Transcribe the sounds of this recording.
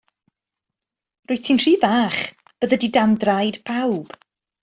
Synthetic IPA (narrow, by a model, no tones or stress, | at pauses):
rʊɨtʰinr̥iːvaːχ | b̥əðədidandrajdpʰawb̥